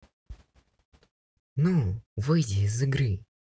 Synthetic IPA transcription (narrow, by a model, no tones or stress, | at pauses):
nuvɨjdʲizɨɡɾɨ